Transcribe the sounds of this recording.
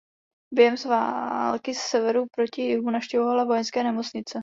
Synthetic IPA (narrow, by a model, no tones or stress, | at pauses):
bjɛɦɛmsva̰lkɪssɛvɛɾupɾo̞cɪjɪmunafʃcɛvovalavo̞jɛnskɛːnɛmot͡sɲɪt͡sɛ